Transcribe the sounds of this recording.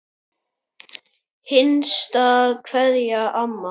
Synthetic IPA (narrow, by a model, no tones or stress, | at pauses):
hɪnst̪aðkʰv̥ɛðjaʔamːa